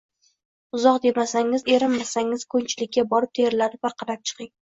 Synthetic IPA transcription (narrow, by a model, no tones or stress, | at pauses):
ʊzɒq̚d̪e̞masaŋɪze̞ɾɪmmasaŋɪz̥kʰɵnt͡ʃʰɪlɪkʲːabɒɾɪp̚t̪ʰe̞ɾɪlad̪ɪp̚vaqʰɑɾap̚t͡ʃʰɨ̥qɪŋ